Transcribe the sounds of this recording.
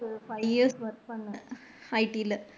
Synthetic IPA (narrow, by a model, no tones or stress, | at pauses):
fɐɪʋjiɾsʋɐɾk̚pɐɳːɐ | ɐɪʈiɪlːɐ